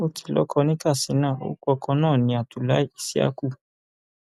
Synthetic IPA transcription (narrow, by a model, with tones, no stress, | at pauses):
o˧tʰi̥˧˨lɔ̰˦kʰɔ˧nĩ˦ka˦˨si˨˦nãː˦˨o̰˦kɔ˧kʰɔ˧nãː˦˨nĩ˧˦a˨tu˨la˦i˦i˦˨si˦a̰˦ku˦˨